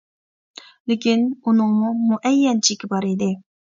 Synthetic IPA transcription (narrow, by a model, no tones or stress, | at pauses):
lɪkʲinunɨŋmumuʔɛjːɛnt͡ʃʰikʲibɑɾid̪ɪ